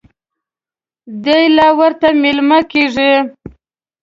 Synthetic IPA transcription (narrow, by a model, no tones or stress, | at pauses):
d̪əjlawəɾt̪amelmakeʐi